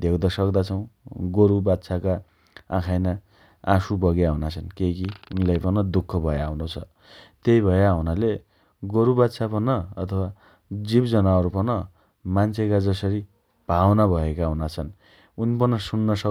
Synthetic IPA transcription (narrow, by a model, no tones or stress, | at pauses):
d̪ʱewd̪ʌsʌkd̪at͡sʰʌw̃ɡoɾubat̪sʰaka | ã̰kʰajna | asubʌɡjaɦunat͡sʰʌnkekiunilajpʌnʌd̪ukʰːʌbʱʌjaunot͡sʰʌ | t̪ejbʱʌjaɦunale | ɡoɾubat̪sʰapʌnʌʌt̪ʰʌwa | d͡zibd͡zʌnaʌɾupʌnʌ | mant͡sʰekad͡zʌsʌɾi | b̥ʱawnabʱʌekaɦunat͡sʰʌn | unipʌnʌsunːʌsʌ